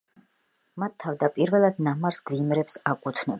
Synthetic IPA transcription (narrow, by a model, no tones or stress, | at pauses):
mat̪ʰːavd̪apʼiɾvɛlˠad̪namaɾsɡvimɾɛpsakʼut̪ʰnɔ